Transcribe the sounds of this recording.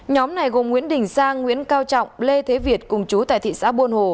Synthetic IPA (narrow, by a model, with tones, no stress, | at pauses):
ɲɔ˨˦mna˨˩jɣo˨˩mŋwi˧˥ənɗï˨˩ŋ̟saː˧ŋːŋwḭ˧˥ənkaː˧wt͡ɕɔ̰˧˨wŋ͡mle˧t̪ʰe˨˦vi˨˩ət̚kʊ˨˩ŋ͡mt͡ɕu˨˦t̪a̰ː˧˨t̪ʰḭ˧˨sa̰ː˧˥ɓu˧ənho˨˩